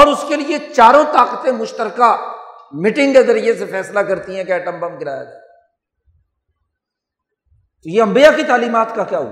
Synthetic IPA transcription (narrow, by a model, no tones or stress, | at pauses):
ɔːɾʊskeliet͡ʃaːɾõt̪aːqət̪ẽmʊʃt̪əɾkamɪʈɪ̃ŋɡkezɐɾid͡ʒesefɛːslakɐɾt̪iɦɛ̃kɛːʈɐ̃mbəmɡɪɾaːja̰d͡ʒa̰ː | t̪ojeɐ̃mbijakit̪aːliːmaːt̪kakjaːɦṵa